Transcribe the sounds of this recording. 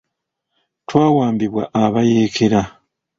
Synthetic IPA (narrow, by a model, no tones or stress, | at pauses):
twaːwaːmbiβwa̰ʔaβajeːkʰeɾa